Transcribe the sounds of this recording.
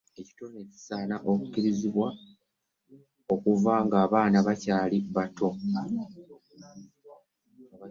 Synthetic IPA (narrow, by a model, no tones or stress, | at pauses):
e̞ci̥to̞neci̥saːnaʔo̞kuciɾiziβwa | o̞kuvaːŋɡaːβaːnaβacaːliβato̞